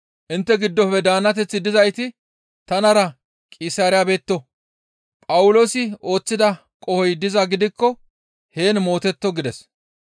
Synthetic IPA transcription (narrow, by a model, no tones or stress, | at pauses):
ʔɪnt̪ːɛɡɪd̪ːɔfɛd̪aːnːɐt̪ɛt͡sːɪd̪ɪzɐjt̪ɪ | t̪ɐnɐɾɐ | kʼɪsaːɾɪjabe̞ːt̪ːɔ | pʼɐwʊlo̞ːsɪo̞ːt͡sːɪd̪ɐ | kʼɔhɔjd̪ɪzɐɡɪd̪ɪkːɔ | he̞ːnmo̞ːt̪ɛt̪ːɔɡɪd̪ɛs